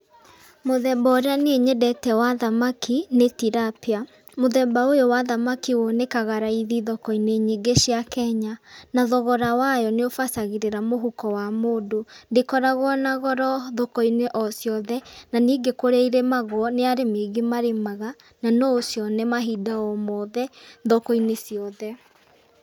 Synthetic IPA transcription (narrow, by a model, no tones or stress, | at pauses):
moðɛbaoɾeaneeɲɛdɛtɛwaðamakinetiɾapea | moðɛbaojowaðamakiwɔnekaɣaɾaiðiðɔkɔineɲeɡeɕiakɛɲanaðɔɣɔɾawajɔneofasaɣiɾeɾamoɦukɔwamoːdondekɔɾaɣɔnaɣɔɾɔðɔkɔineʔɔsjɔðɛnaniːɡekoɾeiɾemaɣwɔneaɾemeɣemaɾemaɣa | nanɔosjɔnɛmaɦidaɔmɔðɛðɔkɔinesjɔðɛ